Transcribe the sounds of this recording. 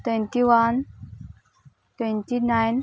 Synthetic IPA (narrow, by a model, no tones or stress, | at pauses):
t̪ɛnt̪iʋan | t̪wɛ̃nt̪inajn